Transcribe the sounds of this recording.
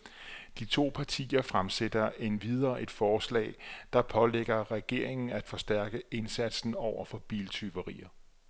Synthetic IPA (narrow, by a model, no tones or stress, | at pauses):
d̥it͡sʰo̝̰ːpʰɑ̈t͡sʰḭːɐfʁamsed̥ɐe̝nʋið̞ˠɐːʔe̝d̥fɒːslɛ̰ːd̥ɑ̈pʰɒ̽leɡ̥ɐʁɛɡ̥e̝ɐ̰e̝ŋn̩æd̥fɒ̽sd̥æɐ̰ɡ̥əe̝nsæd̥sn̩ɒʊ̰ɐfɒ̽b̥iːlt͡sʰyʋɐʁḭːɐ